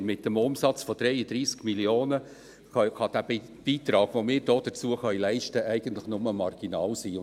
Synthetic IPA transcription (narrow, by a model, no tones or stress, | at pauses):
mɪt̚ːəmʊmsɑt͡sfɔd̥ɾɛjəd̥̪ɾiːskmiljoːnə | kɑd̥æ | b̥iːt̪ɾɑːɡ̥ʋomɪːɾd̥oːd̥ət͡suəχœʏjlɛɪʃtəʔæɪɡ̥ən̩t̪lɪχnʊməmɑrɡ̥inɑːlsiː